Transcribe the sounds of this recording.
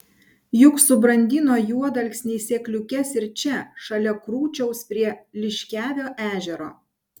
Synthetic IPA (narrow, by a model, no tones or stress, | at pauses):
jʊksʊbɾɐnʲd̪ʲɪnoːjuɔd̪ɐlʲksʲnʲɛːsʲeːklʲʊkʲɛsɪɾt͡ʃʲɛʃɐlʲɛkɾuːt͡ʃʲɛʊspʲɾʲiɛlʲɪʃʲkʲæːʋʲoːʔæːʒʲɛɾo̰ː